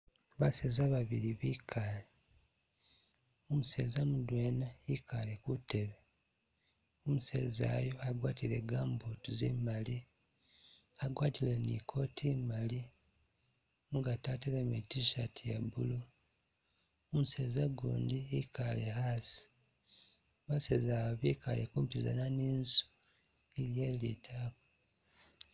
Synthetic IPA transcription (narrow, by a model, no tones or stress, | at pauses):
βaseːzaβaβiɾiβikʰali | omuseːzamudwe̞ːnaikʰalekute̞βe | omusḛza̰jo̞aɡwaːtile̞ɡaːmbotuzimali | aɡwaːtilenḭkʰo̞tʰimali | muɡataːtilemitiʃatiḛbulu | umuseːzaɡṵːndiikalehasi̥ | βaseːzaaβikalekuːmpiza̰naniːnzu̥ | iɾjelitʰako